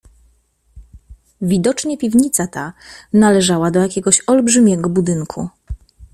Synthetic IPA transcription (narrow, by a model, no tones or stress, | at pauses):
vʲid̪ɔt͡ʂɲɛpʲivɲit̪sat̪analɛʐawad̪ɔjakʲɛɡɔɕɔlbʐɘmʲjɛɡɔbud̪ɘŋkʰṵ